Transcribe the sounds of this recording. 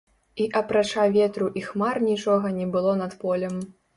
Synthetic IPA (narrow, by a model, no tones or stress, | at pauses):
iʔɐpɾat͡ʂavʲɛt̪ɾuʔixmarnʲit͡ʂɔɣɐnʲɛbɨlˠɔnɐt̪pɔlʲɛm